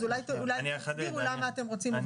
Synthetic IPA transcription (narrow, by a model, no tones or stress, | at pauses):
zulajt̪ulajniaaiulamaːt̪emʁo̞t͡sima